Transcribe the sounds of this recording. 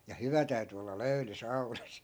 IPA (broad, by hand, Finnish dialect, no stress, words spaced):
jɑ hyʋæ tæy̞ty olːɑ løy̞ly sɑu̞nɑs